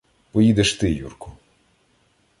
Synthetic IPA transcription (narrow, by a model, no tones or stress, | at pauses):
pɔjid̪eʃt̪ɪjṵrkʊ